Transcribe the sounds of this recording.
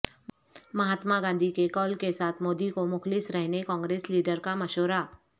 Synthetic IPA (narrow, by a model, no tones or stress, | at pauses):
mɐɦaːt̪maɡãːnd̪ʱikekɔːlkesaːt̪ʰmoːd̪ikomʊxlɪsɾɛɦnekɔ̃ːŋɡɾeːsliːɖəɾkamɐʃoːɾaː